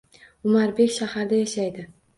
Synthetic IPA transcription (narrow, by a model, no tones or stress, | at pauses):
ʊmaɾbe̞kʲʃahaɾd̪ajaʃajd̪ɪ